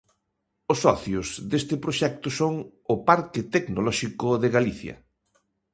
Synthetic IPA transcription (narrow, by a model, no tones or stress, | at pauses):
ʊsːɔθjʊzðest̪ɪpɾoʃɛk̚t̪ʊsoŋ | ʊpaɾkɪt̪eknolɔʃikʊðɪɣaliθjɐ̰